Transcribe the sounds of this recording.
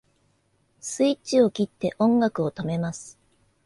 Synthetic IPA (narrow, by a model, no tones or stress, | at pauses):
sɨit͡ɕio̞kʲit̪ːe̞ʔõ̞ŋɡakɯ̟o̞t̪o̞me̞masɨ̥